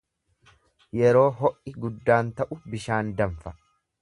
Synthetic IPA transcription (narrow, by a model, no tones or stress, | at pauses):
jɛɾo̞ːɦɔʔɪɡʊd̪ːaːnt̪ɐʔʊbɪʃaːnd̪ɐɱfɐ̥